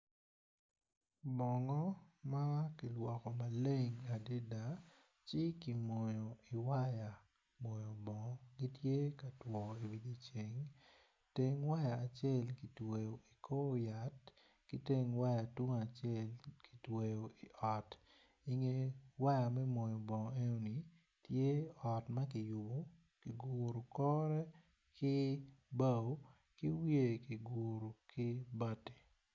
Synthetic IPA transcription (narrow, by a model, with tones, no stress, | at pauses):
bɔ˨ŋɔ˦ma˦ki˨lwɔ˨kɔ˨ma˨le˦ŋa˨di˦da˨ | t͡ʃɪ˦ki˨mo˨jo˨i˨wa˦ja˨ | mo˨jɔ˨bɔ˨˦ɡi˦tje˦ka˨twɔ˨i˨wi˨di˦t͡ʃe˨ŋ | te˦ŋwa˦jaː˨t͡ʃjɛ˦lki˨twe˨jo˨i˨kʰo˦ja˨t | kɪ˦te˦ŋwa˦ja˨to˦ŋa˨t͡ʃɛ˦lki̥˨twe˨jo˨ɪ˨ʔɔ˨t | ɪ˦ŋe˦wa˦ja˨mɛ˦mo˨jo˨bɔ˨ŋ˨e˦no˦ni˨ | tje˦ɔ˨tma˦k̬ɪ˨jʊ˨bo˨ | kɪ˨ɡo˨ɾo˨kɔ˦ɾɛ˦ | kɪ˦ba˦o˦ | kɪ˦wje˨ki˨ɡo˨ɾo˨kɪ˦ba˦te̥˨